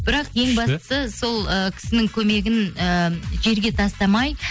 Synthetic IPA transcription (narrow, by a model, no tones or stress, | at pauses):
b̥ɪɾɑqje̞ŋbɑst̪ə̥səso̞lˠəkʲʰɪ̥sɪnɪŋkʲʰɵme̞ɡʲɪnəʒe̞ɾɡʲe̞t̪ʰɑst̪ɑmɑj